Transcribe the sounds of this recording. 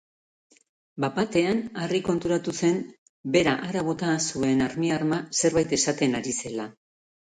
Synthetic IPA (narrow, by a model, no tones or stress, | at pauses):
bapat̪e̞anariko̞nt̪uɾat̪use̞n | be̞ɾaʔaɾaβ̞o̞t̪asue̞naɾmiaɾmase̞ɾβajt̪e̞sat̪e̞naɾise̞la